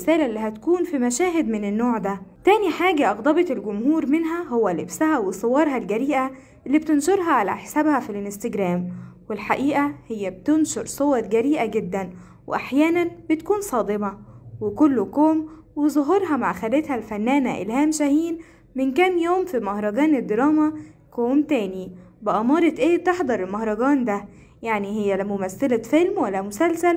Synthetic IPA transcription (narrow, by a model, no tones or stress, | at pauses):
sæːlæʔlːiːɦæt̪kuːnfimæʃæːɦed̪mɪnenːoːʕd̪æt̪æːniħaːɡæʔɑɣd̪ˤɑbɑt̪elɡʊmhuːɾmɪnɦæhowːælebsæhæwesˤowɑːɾˤɦɑlɡæɾiːʔæ | ʔelːiːb̚t̪enʃoɾˤɦɑʕalæ̰ħesæbhæfilɪnst̪ɪɡɾæːmwelħaʔiːʔæhɪjːæbt̪enʃoɾˤsˤowɑɾɡæɾiːʔæɡed̪ːæn | wḛʔaħjæːnænbet̪kuːnsˤɑːd̪ˤemɑwekolːokoːm | wezˤoɦɑɾˤɦɑmaʕxælet̪hælfænːæːnæʔḛlhæːmʃæhiːn | mɪnkæːmjoːmfimɑhɾˤɑɡɑːned̪ːeɾˤɑːmækoːmt̪æːnibeʔɑmɑːɾˤɑt̪ʔeːb̚t̪eħd̪ˤɑɾˤelmɑhɾˤɑɡɑːnd̪æ | jaʕnihejːælæmomæθːelæfelmwælːæmosælsæl